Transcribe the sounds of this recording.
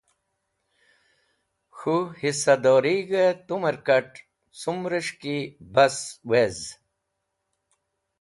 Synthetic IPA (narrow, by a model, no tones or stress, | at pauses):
xuhisɐd̪oːɾiɡet̪umɐɾkɐʈ | sumɾəʂkibɐswez